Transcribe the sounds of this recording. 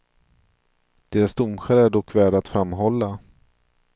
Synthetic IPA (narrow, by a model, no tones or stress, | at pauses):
d̪̥eːɾasd̪ʊmɧaɾæɖɔkːvæːɖat̪fɾamːɦɔlːa